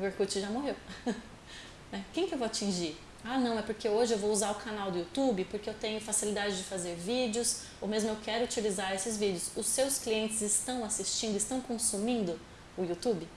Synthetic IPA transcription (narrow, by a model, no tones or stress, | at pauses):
ʊveɾkut͡ʃɪʒamoɦew | nɛkẽj̃kɪewvowat͡ʃĩʒiɾ | anɐ̃w̃ɛpoɾkeoʒɪewvouzaɾʊkʰanawd̪ʊut̪ubɪpoɾkeewt̪ẽɲʊfasilid̪ad͡ʒɪd͡ʒɪfazeɾvid͡ʒɪʊs | owmezmʊewkɛɾʊut͡ʃilizaɾesɪzvid͡ʒɪʊsʊsːewskliẽntt͡ʃɪzɪst̪ɐ̃w̃asist͡ʃĩnd̪ʊɪst̪ɐ̃w̃kõsumĩnd̪ʊ | ʊjut̪ubɪ